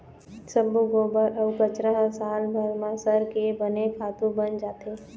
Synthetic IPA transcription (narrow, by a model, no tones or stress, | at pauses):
səbuɡoːbəɾəʋkət͡ʃɾəɦsaːlbʱaɡmãsəɾkebənekʰaːt̪ũbənd͡ʒaːt̪eː